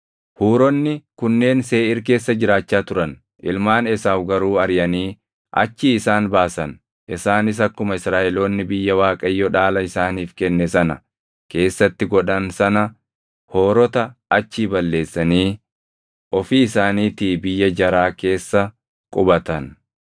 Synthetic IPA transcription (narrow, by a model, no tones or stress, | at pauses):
huːɾɔnːɪkʊnːe̞ːnse̞ːɪɾke̞ːsːɐd͡ʒɪɾaːt͡ʃːaːt̪ʊɾɐn | ʔɪ̰lmaːnɛsaːfɡɐɾuːɐɾjɐniː | ʔɐ̰t͡ʃːiɪsaːnbaːsɐn | ʔɪsaːnɪs̬ɐkːʊmɐɪsɾaːʔɛloːnːɪbɪjːɐwaːkʼɐjːɔᶑaːlɐɪsaːniːfkɛnːɛsɐnɐ̰ | ke̞ːsːɐt̪ːɪɡɔᶑɐnsɐnɐ | hoːɾɔt̪ɐːt͡ʃːiːbɐlːe̞ːsːɐniː | ʔɔfiɪsaːniːt̪iːbɪjːɐd͡ʒɐɾaːke̞ːsːɐ | kʼʊbɐt̪ɐn